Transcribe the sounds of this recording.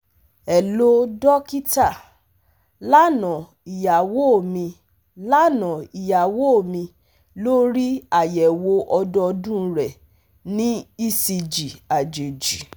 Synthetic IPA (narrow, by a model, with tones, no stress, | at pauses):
ɛ˨lo˦dɔ˦ki˦ta˦˨ | la˦nɔ̃˨ | i˨ja˨wo˦o˦˨mĩ˧ | la˦nɔ̃˨i˨ja˨wo˦o˨mĩ˧ | lo˦ɾi˦a˦˨jɛ˨wo˧ʔɔ˧dɔ˧dũ˦˧˦ɾɛ˨ | nĩ˦i˦˨si˧d͡ʒi˨a˨d͡ʒe˨d͡ʒi˨